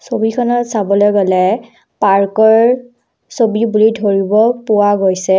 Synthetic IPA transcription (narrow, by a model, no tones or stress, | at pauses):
sobikʰɔnɔtsabɔlɔɡɔlɛ | paɹkɔɹ | sobibulidʱoɹibɔpʊwaɡojsɛ